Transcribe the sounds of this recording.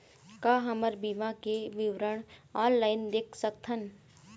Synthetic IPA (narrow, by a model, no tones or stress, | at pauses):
kaːɦɐməɾbimakeʋɪʋɾəɽ̃ɔːnlaːɪnd̪eːkʰsək̚t̪ʰən